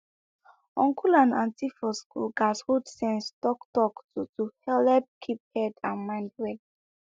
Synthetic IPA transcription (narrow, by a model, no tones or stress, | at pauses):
ɔ̃ŋkulãnãntifɔskṵɡashudsɛ̃nstɔktɔktutuhɛlɛp̚kʰip̚hɛdãnmãɪ̃ndwɛd